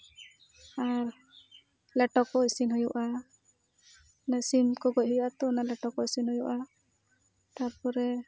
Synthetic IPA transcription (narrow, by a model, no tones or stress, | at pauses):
aɾ | lɛʈɔkːɔisinɦɔjuʔa | nasimkɔɡɔc̚hɔjʔat̪ɔnalɛʈɔkːɔisinhɔjuʔa | t̪aɾpɔɾɛ